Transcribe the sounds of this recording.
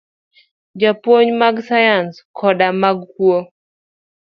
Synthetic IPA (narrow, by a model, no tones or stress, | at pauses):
d͡ʒapwoɲmaɡsajanskʰɔɗamaɡkuo